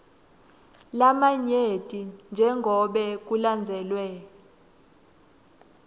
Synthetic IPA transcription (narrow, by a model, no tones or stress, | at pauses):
lamaɲetʼind͡ʒʱɛŋɡʱɔɓɛk̬uland͡zʱɛlwɛ